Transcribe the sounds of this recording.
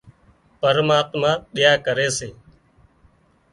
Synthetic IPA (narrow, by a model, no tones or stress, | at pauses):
pəɾmaːt̪mãːɗɪjaːkəɾeːseː